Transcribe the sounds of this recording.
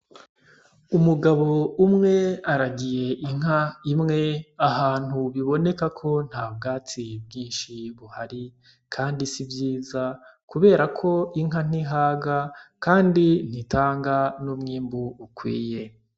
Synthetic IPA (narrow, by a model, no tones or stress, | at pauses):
umuɡaβo̞umŋe̞aɾaɡije̞ʔiŋ̥ɦaimŋe̞aɦaːn̥huβiβo̞ne̞kakʰo̞n̥haːb̚ɡaːtibjiːnʃiβuhaɾi | kʰaːndisibjiːzakuβe̞ːɾakʰo̞iŋ̥ɦan̥iɦaːɡakaːndin̥itʰaːŋɡanumŋiːmbuːkwḭːje̞